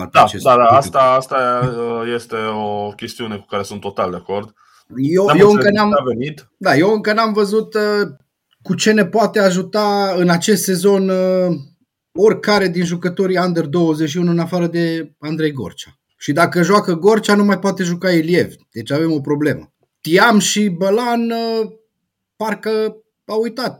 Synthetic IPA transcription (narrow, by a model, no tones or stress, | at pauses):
a̰t̪at͡ʃesd̪ad̪aast̪aast̪aəjest̪e̞okʲe̞st̪iune̞ku̥kaɾesunt̪ːo̞t̪ald̪eako̞rd̪ | jejewɨŋkənamvenit̪ | d̪ajewɨŋkənamvəzut̪ə | kut͡ʃe̞ne̞poat̪e̞aʒut̪aɨnat͡ʃe̞st̪se̞zo̞n | o̞rʲkaɾe̞d̪inʒukət̪o̞ɾiand̪erd̪o̞wəzet͡ʃʃiunuɨnafaɾəd̪e̞and̪ɾe̞jɡo̞̰rt͡ʃḁ | ʃid̪akəʒwakəɡo̞rt͡ʃanumajpoat̪e̞ʒukaelie̞vd̪̥e̞t͡ʃave̞mo̞pɾo̞ble̞mə̰ | t̪iamʃibəlanə | parkə | aujt̪at̪̚